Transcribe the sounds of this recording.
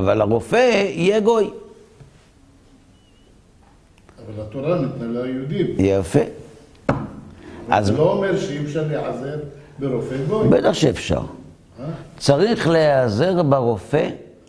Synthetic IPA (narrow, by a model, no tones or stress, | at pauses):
avalaʁo̞feijeɡo̞j | avalat̪oɾanit̪nalajud̪imjeofe | a̰zloomeɾʃeefʃaɾleʕazeɾ | beɾofeɡojbet̪aχʃeefʃa̰ʁ | at͡saʁiχleaze̞ʁbeʁofe